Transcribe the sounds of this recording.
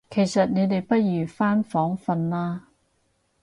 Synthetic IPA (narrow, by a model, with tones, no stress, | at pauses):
kʰe˨˩jsɐ˨t̚ne˨˧t̪e˨jpɐ˥t̚jyː˨˩faː˥nfɔː˨˥ŋfɐ˧nlaː˥